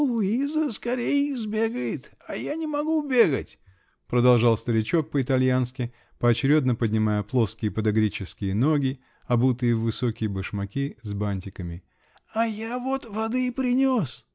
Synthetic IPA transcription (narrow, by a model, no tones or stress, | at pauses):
lˠʊizəskɐɾʲejəɪzbʲe̞ɡəjɪt̪ajanʲɪmɐɡubʲeɡətʲ | pɾəd̪ɐlˠʐɑlˠst̪əɾʲɪt͡ɕo̞k̚pəɪt̪ɐlʲjanskʲɪ | pəɐt͡ɕɪɾʲo̞d̪nəpədʲnʲɪmajəplˠo̞skʲɪjəpəd̪ɐɡɾʲit͡ɕɪskʲɪjəno̞ɡʲɪ | ɐbut̪ɨjəvɨsokʲɪjəbəʂmɐkʲizbanʲtʲɪkəmʲɪ | ajavot̪vɐd̪ɨpɾʲɪnʲos